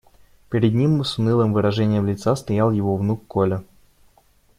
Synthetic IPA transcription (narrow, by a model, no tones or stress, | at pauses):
pʲɪɾʲɪd̪nʲimːɨsʊnɨlˠəmvɨɾɐʐɛnʲɪjəmlʲɪt̪sast̪ɐjalˠjɪvovnukːolʲɪ